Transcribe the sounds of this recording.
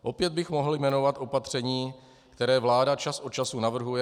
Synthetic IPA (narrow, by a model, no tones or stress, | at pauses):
ʔo̞pjɛd̪̚bɪxmo̞ɦl̩jmɛno̞vat̪ʔo̞pat̪r̝̥ɛɲiː | kt̪ɛɾɛːvlaːdat͡ʃasʔo̞tt͡ʃasunavr̩ɦujɛ